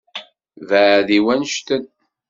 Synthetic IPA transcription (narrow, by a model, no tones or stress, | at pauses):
væðiwænʃt̪ən